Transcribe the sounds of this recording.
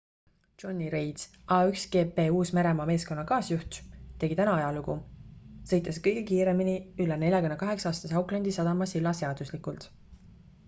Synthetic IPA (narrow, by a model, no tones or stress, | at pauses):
t͡ʃo̞nʲːiɾejd̪̥sɑːyksɡ̥e̞ːpe̞ːuːsmeɾe̞mɑːme̞ːsko̞nːɑkɑːsjuht̪t̪ːeɡit̪ænɑɑjɑluɡusɤ̞jt̪ːˑeskɤjɡ̥ekiːɾe̞miniylːene̞lʲjɑkunːekɑɦe̞ksɑːst̪ɑsɑwklɑnd̪isɑd̪ɑmɑsilːɑse̞ɑd̪̥uslikˑult̪